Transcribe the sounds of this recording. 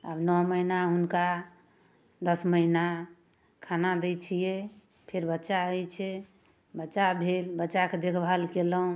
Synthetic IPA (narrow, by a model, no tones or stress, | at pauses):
ə̰bnɔɦməinaunka | d̪əsməɦina | kʰanad̪ɛt͡ʃʰijɛ | pʰeɾbətːʃaəjt͡ʃʰɛ | bətːʃabʱelbətːt͡ʃaked̪ekʰbʱalkeləɦũ